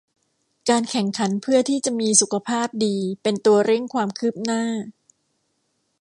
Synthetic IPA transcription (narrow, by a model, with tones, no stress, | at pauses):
kaː˧nkʰɛ˨˩˦ŋkʰa˩˦npʰɯ˥˩ɐt̪ʰiː˥˩t͡ɕa˨˩˨ʔmiː˧su˨˦kʰa˧pʰaː˥˩p̚diː˧pe˧nt̪u˧ɐɾe˥˩ŋkʰwaː˧mkʰɯː˥˩p̚naː˥˩